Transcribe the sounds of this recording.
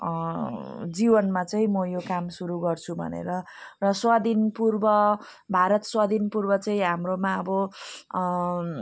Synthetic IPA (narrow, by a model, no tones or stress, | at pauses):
d͡zibʌnmat͡sʌĩmʌjokamsuɾuɡʌrt͡sʰubʱʌ̰nḛɾʌ | rʌswad̪ʱinpurbʌ | bʱaɾʌt̪swad̪ʱinpurbʌt͡sʌĩɦamromaʌbʌ